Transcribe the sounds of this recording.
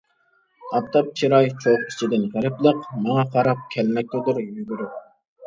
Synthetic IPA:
ɑpt̪ʰɑp̚t͡ʃʰiɾɑjt͡ʃʰoʁkʲʰi̥t͡ʃʰid̪ɪnʁæɾɪplˠəqmɑŋɑqʰɑɾɑp̚kʲʰælmɛk̚ʲt̪ʰud̪ɨɾjyɡʲyɾʊ

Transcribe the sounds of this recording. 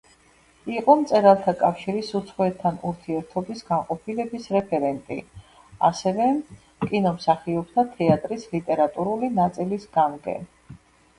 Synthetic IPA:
iqʼɔmt̪sʼɛɾalˠt̪ʰakʼafʃiɾisut̪sʰχwɛt̪ʰːanuɾt̪ʰiɛɾt̪ʰɔbisɡaŋqʼɔpʰilɛbisɾɛpʰɛɾɛnt̪ʼḭ | a̰sɛvɛ | kʼinɔmsaχiɔp̚t̪ʰat̪ʰɛat̪ʼɾislit̪ʼɛɾat̪ʼuɾulinat̪sʼilisɡamɡɛ̰n

